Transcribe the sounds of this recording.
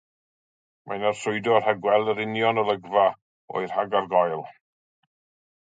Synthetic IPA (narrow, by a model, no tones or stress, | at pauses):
majnarsʊɨdɔr̥haɡwɛlˠdəɾɪnjɔnəlˠəɡva | ɔ̰ɨr̥haɡarɡɔjlˠ